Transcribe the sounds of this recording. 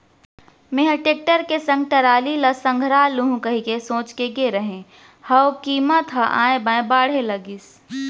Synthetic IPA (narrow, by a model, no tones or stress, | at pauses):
meɦəʈeːk̚ʈəɾkesɐ̃ŋɡ̚ʈɐɾaːlilɐsə̃ŋɡʱɾaːluɦũkəɦikesõːt͡ʃkeɡeɾəɦẽ | hɐwkiːmət̪ɦɐʔã̰ːẽbãːẽbaːɽ̤elɐɡis